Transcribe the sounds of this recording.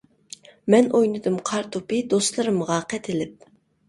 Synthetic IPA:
mɛnʔojnɨd̪ɨmqʰɑɾt̪ʰupɨd̪ost̪lˠɨɾɨmʁɑqʰɛt̪ʰɪlɪp̚

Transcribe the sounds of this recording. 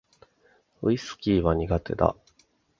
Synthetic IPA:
ɯ̟isɨ̥kʲiːβaɲ̟iɡat̪e̞̰d̪a̰

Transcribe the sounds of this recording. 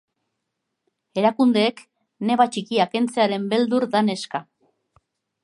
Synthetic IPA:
e̞ɾakund̪e̞ːk | ne̞βat͡ʃikiake̞nt͡se̞aɾe̞mbe̞ld̪uɾd̪ane̞ska

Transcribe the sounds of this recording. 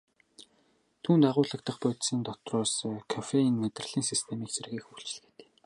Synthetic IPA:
t̪ʰuːnt̪aʁʊːɮə̆k̚t̪ə̆χpʊjt̪siːnt̪ɔt̪rʊːskʰafeinmet̪rə̆ɮiːŋsist̪ʰemiːksĕrɣiːxuːɬt͡ɕ̆ɮ̆xĕ̥t̪e̥ː

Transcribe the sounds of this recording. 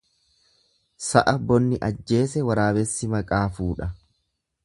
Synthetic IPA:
sɐ̰ʔɐbɔnːɪʔɐd͡ʒːe̞ːsɛwɐɾaːbɛsːɪmɐkʼaːfuːᶑɐ

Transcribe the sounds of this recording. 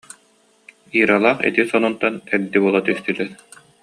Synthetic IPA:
iːɾalˠaːχḭt̪isɔnɔnt̪anɛɾd̪ibuɔlˠat̪yst̪ylɛɾ

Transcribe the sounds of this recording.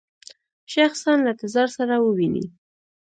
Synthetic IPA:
ʃaxsanlat̪ɪzɑɾsaɾawəwinḭ

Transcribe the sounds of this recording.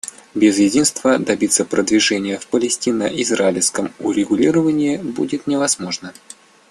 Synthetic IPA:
bʲɪzjɪdʲinst̪vəd̪ɐbʲit̪sːəpɾʔəd̪vʲɪʐɛnʲɪjəfpəlʲɪsʲtʲinəʔɪzɾaɪlʲskəmʊɾʲɪɡʊlʲiɾəvənʲɪɪbudʲɪt̪nʲɪvɐzmo̞ʐnə

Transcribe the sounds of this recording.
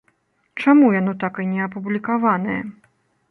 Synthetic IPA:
t͡ʂamujanɔt̪akɨnʲɛɐpublʲikavanɐjɐ̰

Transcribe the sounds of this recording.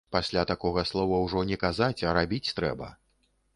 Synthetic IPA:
pasʲlʲat̪akɔɣɐslˠɔvɐwʐɔnʲɛkazat͡sʲɐɾabʲit͡sʲt̪ɾɛbɐ̰

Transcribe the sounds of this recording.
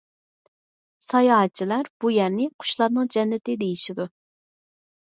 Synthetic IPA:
sɑjɑɦɑt͡ʃʰilæɾb̥ujæɾnɪqʰʊ̥ʃlˠɑɾnɨŋd͡ʒɛnːɪt̪ɪd̪ejiʃid̪u

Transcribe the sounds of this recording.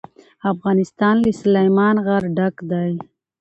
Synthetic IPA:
afɣɑnɪst̪ɑnlislajmɑnɣaɾɖakd̪aj

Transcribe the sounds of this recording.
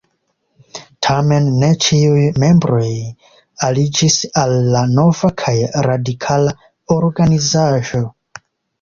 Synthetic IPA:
tʰame̞nːe̞t͡ʃiujme̞mbɾo̞j | alid͡ʒisalːano̞vakʰajɾadikʰala | oɾɡanizaʒo̞

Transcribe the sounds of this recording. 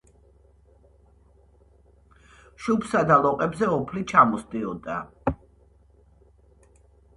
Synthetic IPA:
ʃupsad̪alˠɔqʼɛbzɛɔpʰlit͡ʃʰamɔsd̪iɔd̪a̰

